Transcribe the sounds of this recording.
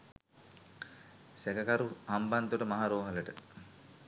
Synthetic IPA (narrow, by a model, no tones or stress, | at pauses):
sɛkəkaɾuamband̪uʈəmaɦaɾoːɦaləʈə